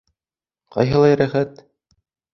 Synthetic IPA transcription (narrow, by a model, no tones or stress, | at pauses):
qɑ̰jɦɤ̆lˠɑjɾæχæt̪